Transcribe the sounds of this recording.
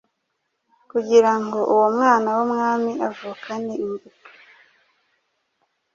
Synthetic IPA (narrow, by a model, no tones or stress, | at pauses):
kuɟiɾaŋɡo̞ʔuwomŋaːnawumŋaːmiʔavuːkʰaneiɱvutu̥